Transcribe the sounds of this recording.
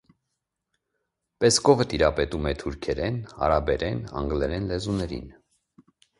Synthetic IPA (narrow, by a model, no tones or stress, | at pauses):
pɛskɔvət̪iɾɑpɛt̪umɛt̪ʰuɾkʰɛɾɛnɑ̰ɾɑbɛɾɛnɑ̰ŋɡlɛɾɛnlɛzunɛɾḭn